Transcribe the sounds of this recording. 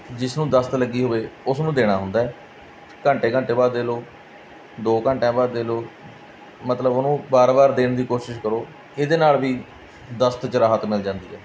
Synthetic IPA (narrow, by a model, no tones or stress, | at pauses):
d͡ʒɪsnũːd̪əst̪ləɡːiːɦoːeːʊsnũːd̪eːɽ̃aːɦʊ̃nd̪aːɛː | kəɳʈeːkə̃ɳʈeːbaːd̪eːloː | d̪oːkəɳʈãːbaːd̪eːloː | mət̪ləbonũːbaːɾbaːɾd̪eːɳd̪iːkoːʃɪʃkəɾoː | ɪd̪eːnaːlʋiː | d̪əst̪t͡ʃəɾaːɦət̪mɪld͡ʒãːnd̪iːɛː